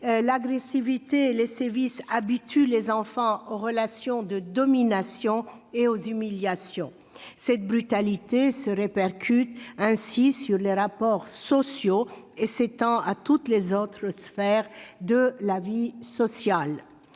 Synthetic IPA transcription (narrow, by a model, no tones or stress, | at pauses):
laɡʁesivit̪elesɛvisabit̪ʰylezɑ̃fɑ̃oʁəlasjɔ̃d̪əd̪ɔminasjɔ̃ | eozymiljasjɔ̃ | sɛt̪̚bʁyt̪alit̪esəʁepɛʁkʲʰyt̪ɛ̃sisyʁleʁapɔʁsɔsjoeset̪ɑ̃at̪ut̪lezot̪χəsfɛʁd̪əlavisɔsjal